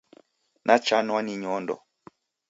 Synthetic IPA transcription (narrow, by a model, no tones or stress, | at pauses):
nʔat͡ʃanwaniɲɔndɔ̰